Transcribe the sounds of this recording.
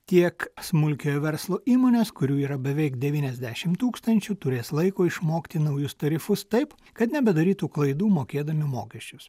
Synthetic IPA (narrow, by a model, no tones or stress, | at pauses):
t̪ʲiɛksmʊlʲkʲojʋʲɛɾslˠoːiːmoːnʲeːskʊɾʲuːiːɾɐbʲɛʋʲɛɪkd̪ʲɛʋʲiːnʲɛzʲd̪ʲæːʃʲɪmt̪uːkst̪ɐnʲt͡ʃʲʊt̪ʊɾʲeːslˠɐɪkoːɪʃmoːkt̪ʲɪnɐʊjʊst̪ɐɾʲɪfʊst̪ɐɪp | kɐt̪nʲɛbʲɛd̪ɐɾʲiːt̪uːklˠɐɪd̪uːmoːkʲeːd̪ɐmʲɪmo̰ːkʲɛʃʲt͡ʃʲʊs